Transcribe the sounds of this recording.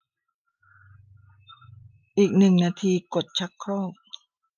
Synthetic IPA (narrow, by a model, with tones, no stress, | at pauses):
ʔiː˨˩k̚nɯ˨˩ŋnaː˧t̪ʰiː˧ko˨˩t̪̚t͡ɕʰa˦˥kʰːɔː˥˩k̚